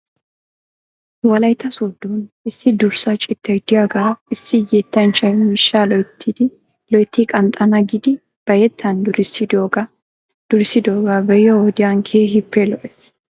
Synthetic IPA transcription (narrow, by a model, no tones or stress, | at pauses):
wɐlɐjt̪ːɐsod̪ːoːn | ɪsːɪd̪ʊɾsɐt͡ʃʼɪt̪ʰːɛɡd̪ɪjaɡaɪsːɪjet̪ːɐnt͡ʃʼɐjmɪʃːaːlɔjt̪ʰːɪd̪ɪ | lɔjt̪ːikʼɐnt̪ʼɐnɐɡɪd̪ɪ | b̥ɐjɛt̪ʰːɐnd̪ʊɾɪsɪd̪oːɡɐ | d̪̥ʊɾɪsɪd̪oːɡabɛjɔɔd̪ɪjaŋkʰeːɦɪpːɛlɔʔɛ